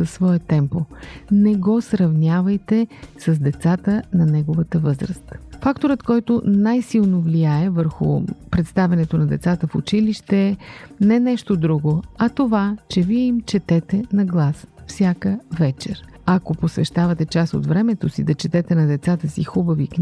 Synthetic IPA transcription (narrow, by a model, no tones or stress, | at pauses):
əsvɔɛt̪ɛmponɛɡɔsɾɐvnʲavɐjt̪ɛsəzd̪ɛt̪sat̪ənɐnɛɡovət̪əvɤzɾəst̪fakt̪oɾət̪kɔjt̪onajsilˠnovliaɛvəɾxʊ̰pɾɛt̪st̪avʲɛnɛt̪onɐd̪ɛt̪sat̪əfʊ̰t͡ʃiliʃt̪ɛnɛnɛʃt̪od̪ɾuɡoɐt̪ovat͡ʃɛviɛimt͡ʃɛt̪ɛt̪ɛnɐɡlˠasfsʲjakəvɛt͡ʃɛ̰ɾ | ɐkoposvɛʃt̪avɐt̪ɛt͡ʃaso̰d̪vɾɛmɛt̪osḭd̪ɐt͡ʃɛt̪ɛt̪ɛnɐd̪ɛt̪sat̪əsixubɐvik